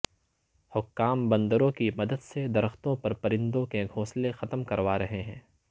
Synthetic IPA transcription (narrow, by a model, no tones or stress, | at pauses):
hʊkːaːmbɐ̃nd̪əɾõkimɐd̪əd̪sed̪ɐɾəxt̪õpɐɾpɐɾɪ̃nd̪õkeɡʱoːslẽxɐt̪mkɐɾʋaːɾɐɦeɦɛ̃ː